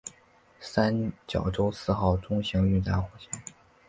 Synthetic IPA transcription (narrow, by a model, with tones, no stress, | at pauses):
sa˥nt͡ɕjɑ˨˩ʊʈ͡ʂo˥ʊsɹ̩˥˧xɑ˥˩ʊʈ͡ʂʊ˥ŋɕi˧˥ŋy˥˧t̪a˥˩xu˧˩ɕjɛ˥n